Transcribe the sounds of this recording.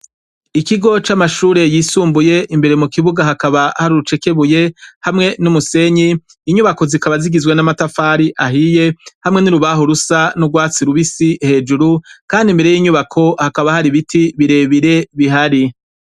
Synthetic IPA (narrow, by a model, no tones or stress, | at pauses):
ikiɡo̞t͡ʃamaʃuːɾe̞jiːsuːmbuje̞ʔimbe̞ɾe̞mukiβuɡaɦakaβahaɾuɾut͡ʃe̞ke̞βuje̞hamŋe̞numuse̞ɲiː | ɲuβako̞zikaβaziɡizwe̞namatafaːɾiʔaɦije̞hamŋe̞niɾuβaɦoɾusanuɡwaːt͡siɾuβisihe̞ːd͡ʒuɾukaːndimbe̞ɾe̞jiːɲuβakʰo̞hakaβahaɾiβitʰiβiɾe̞ːβiɾe̞βiɦaɾi